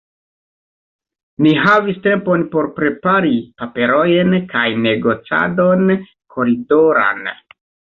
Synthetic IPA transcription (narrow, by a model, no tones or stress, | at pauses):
niɦaviste̞mpo̞npo̞ɾpɾe̞paɾipape̞ɾo̞jnkajne̞ɡo̞t͡sa̰do̞n | kʰo̞ɾido̞ɾa̰n